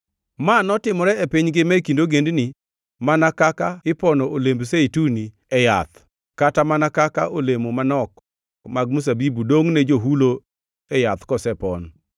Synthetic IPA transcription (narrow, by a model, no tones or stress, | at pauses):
manɔtɪmɔɾɛepiɲɡɪmɛkindoɡendni | manakakaɪpɔnɔolembseituni | ɛja̰t̪ | katamanakakaʔolemomanɔk̚ | maɡ̚mus̬abibudoŋned͡ʒoɦulo | ɛjat̪kɔsɛpɔn